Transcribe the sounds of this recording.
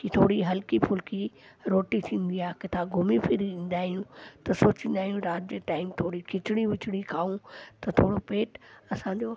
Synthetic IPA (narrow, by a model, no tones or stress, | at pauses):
kiːt̪ʰoːɽiɦɐlkipʰʊlkiɾoːʈit̪ʰĩːn̆d̪iaːɦkɪt̪ʰaɡʱʊmifʰɪɾiĩːn̆d̪aːɦijũt̪ɐsoːt͡ɕĩnd̪aːɦijũɾaːt̪̚d͡ʑeːʈaːɪmt̪ʰoːɽikʰɪt͡ɕɪɽ̃iʋɪt͡ɕʰɪɽ̃ikʰaːũt̪ɐt̪ʰoːɽopeːʈɐsãɲd͡ʑoː